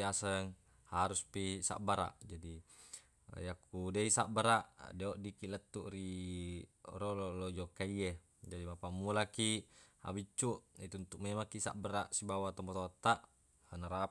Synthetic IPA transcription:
asəŋ | haɾuspisa̰ʔbaɾa̰ʔd͡ʒadi | jakːudeisaʔbəɾaʔdeoʔdikilət̪ːuʔɾi | ɾɔlolod͡ʒɔkaie | d͡ʒadimapamulakiha̰bit͡ʃːuʔit̪uunt̪uk̚memakisa̰ʔbəɾaʔsibawat̪ɔmbɔt̪ot̪ːaʔ | hanaɾa

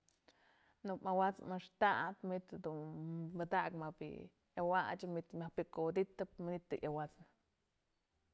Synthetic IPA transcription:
nukmawat͡smaʂt̪aʔt̪mit̪d̪unbad̪aʔkmabḭ | jawat͡ʃamit̪mapikod̪it̪ap̚manit̪̚d̪ɨʔawat͡sn

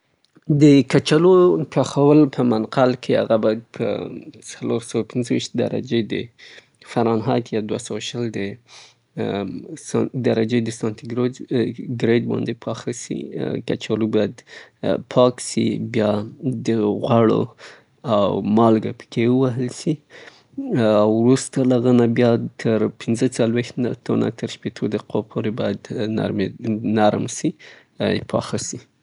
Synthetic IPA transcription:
d̪əkat͡ʃalokʰɑxawəlpʰəmanqalkʰeha̰ɣabɑjad̪̚pʰə̰saloɾsawapʰɪnzəwiʃt̪̚d̪a̰ɾa̰d͡ʒed̪ə̰ | faɾɑnɦɑjt̪jɑd̪wasawaʃəld̪ə | sd̪aɾad͡ʒed̪əsɑnt̪iɡɾoɡɾed̪bɑ̰nd̪epʰɑxasḭka̰t͡ʃalobɑjad̪pʰɑksḭbjɑd̪əɣwaɽo̰ | awmɑlɡapə̥kewəwaɦəlsi | awɾust̪alaɣənabjɑt̪ʰəɾpɪnzət͡salwext̪t̪ʰona̰t̪əɾʃpet̪ʰod̪əqopʰoɾebɑjad̪na̰ɾmenaɾmsi | pʰɑ̰xasi

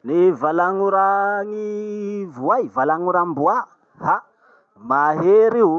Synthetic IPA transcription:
nivalaŋuɾaŋivuajvalaŋuɾambua | ha | maɦeɾi

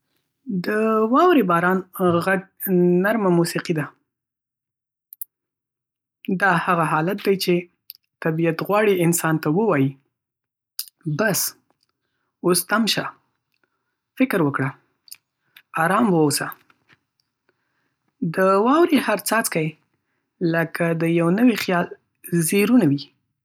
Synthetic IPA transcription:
d̪əwɑwɾebɑɾɑnɣaɡ̚naɾmamusiqid̪a | d̪ɑhaɣaɦɑlat̪̚d̪ajt͡ʃe | t̪abiat̪ɣwɑɽiɪnsɑnt̪awəwɑji | bas | ost̪amʃa | fɪkɾwəkɽa | ɑɾɑmwəwsa | d̪əwɑwɾihaɾt͡sɑt͡skaj | ləkad̪əjawnəwixjɑl | zeɾunawi

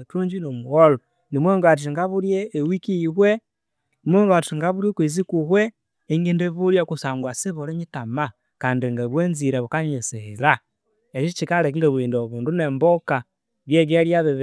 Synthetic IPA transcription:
tuːɲd͡ʒinomuɣolo | nimweŋɡat̬iŋɡaβuɾjeːwikiβwe | imweːŋɡatiŋɡaβuɾjekwizikuhwe | iŋɡindeβuɾjekusaːŋɡwasiβoɾiɲitama | kaːndiŋɡaβweːnziɾeβukaɲesehila | et͡ʃit͡ʃikalekiŋɡeβwiːndoβuːndunemboka | βjeɡeɾjaβiβ

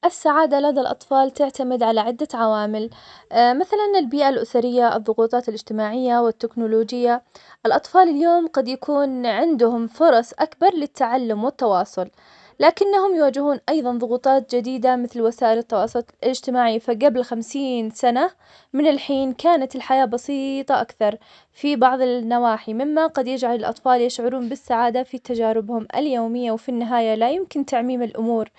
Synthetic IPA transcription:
ʔɪsːaʕaːd̪alad̪alʔɑ̰t̪ˤfɑːlt̪ɪʕt̪amɪd̪ʕalaʕɪd̪ːaʕawaːmɪlmaθalanɪlbiːʔalʔʊsaɾɪjːaʔɨ̰ðˤːʊɣuːt̪ˤɑːt̪ɪlɪd͡ʒt̪ɪmaːʕɪjːawɪt̪ːɪknʊloːd͡ʒɪjːaʔɪlʔɑt̪ˤfɑːlɪljoːmɡɑd̪jakʰuːnʕɪnd̪ʊhʊmfʊɾˤɑsˤʔakbɑɾˤlɪt̪ʰːaʕalːʊmwɪt̪ːɑwɑːsˤʊl | laːkɪnːahʊmjwaːd͡ʒɪhuːnʔɑjðˤɑnðˤʊɣuːt̪ˤɑːt̪̚d͡ʒad̪iːd̪amɪθlwasaːʔɪlɪt̪ːɑwɑːsˤʊlt̪ɪd͡ʒt̪ɪmaːʕifaɡablxamsiːnsana | mɪnɪlħiːnkaːnat̪ɪlħajaːbɑsiːt̪ˤɑʔakθɑɾˤ | fibɑʕðˤɪnːawaːħimɪmːaɡɑd̪jɪd͡ʒʕalɪlʔɑ̰t̪ˤfɑːljɪʃʕʊɾuːnbɪsːaʕaːd̪afit̪ad͡ʒaːɾɪbhʊmʔa̰ljoːmɪjːawfinːɪɦaːjalajʊmkɪnt̪aʕmiːmɪlʔʊmuːɾ

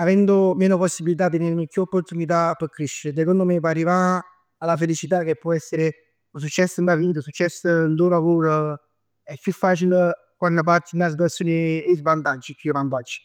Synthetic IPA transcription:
avɛnd̪omeːnoposːibilit̪̬at̪ːeneɾnokjuopːort̪unit̪̬apəkɾeʃːeɾes̬ekɔnd̪omep̬aɾivaː | lafelit͡ʃit̪ak̟epːɔɛsːeɾe | uns̬ut͡ʃːɛsːəmbɾaviːt̪̬osut͡ʃːɛsːənt̪ulavoːɾo | ɛpːjufːaːt͡ʃil | kwanːəp̬aɾt̪inas̬p̪asjoːneezvant̪ad͡ʒːipʰʲːjuvant̪ad͡ʒːi̥

